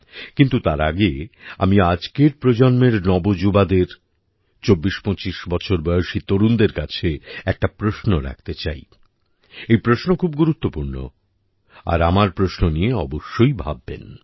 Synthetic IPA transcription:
kint̪ut̪aɾaɡea̰miad͡ʑkeɾpɾod͡ʑɔnmeɾnɔbod͡ʑubad̪eɾ | t͡ɕobːiʃpot͡ɕiʃbɔt͡ɕʰoɾbɔjoʃit̪oɾund̪eɾkat͡ɕʰeɛk̚ʈapɾoʃnoɾa̰k̚t̪et͡ɕaj | ejpɾoʃnokʰubɡuɾut̪ːopuɾno̰ | a̰ɾamaɾpɾoʃnonieɔboʃːojbʱabːḛn

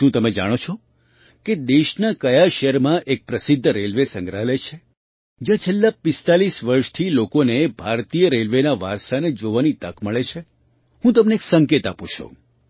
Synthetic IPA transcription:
ʃũt̪əmẽd͡ʒa̰ɽ̃ot͡ʃʰo | ked̪eʃnakəjaʃeɾmãʔek̚pɾəsɪd̪ʱːɾelʋesə̃ŋɡɾaɦlet͡ʃʰe | d͡ʒjãt͡ʃʰelːapɪst̪alisʋəɾʃt̪ʰilokonebʱaɾt̪ijəɾelʋenaʋa̰ɾsaned͡ʒoʋanit̪əkməɭet͡ʃʰe | ɦũt̪əmneːksəŋket̪aput͡ʃʰo̰

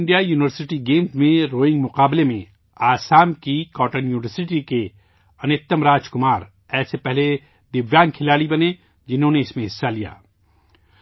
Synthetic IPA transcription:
ɪ̃ɳɖijajuːnɪʋəɾsɪʈiɡeːmzmẽɾoːɪ̃ŋɡmʊqaːblemḛ̃ | aːsaːmkikɔːʈənjuːnɪʋəɾsɪʈike | ɐnɪt̪ːəmɾaːd͡ʒkʊmaːɾ | ɛːsepɛɦle | d̪ɪbjaːnkʰɪlaːɽibɐne | d͡ʒɪnɦõːneɪsmẽɦɪsːalija̰ː

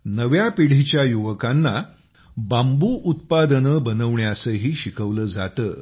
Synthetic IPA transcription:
nəʋjapiɽ̤it͡ɕjajuʋəkanːa | bambuːʔut̪̚pad̪ənəbənəʋɳjasəɦiːɕikʰəʋləːd͡zat̪əː

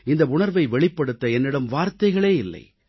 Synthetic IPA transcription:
ɪnd̪ɐʊɳɐɾʋɐɪʋɛɭɪpːɐɽɯt̪ːɐɛnːɪɽɐmʋaːɾt̪ːɐɪɣɐɭeːɪlːɐ̰ɪ

